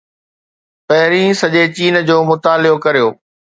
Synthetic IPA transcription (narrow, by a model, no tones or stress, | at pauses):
pɐɦɪɾĩːsɐʄet͡ɕiːnd͡ʑoːmʊt̪aːlɪjokɐɾijoː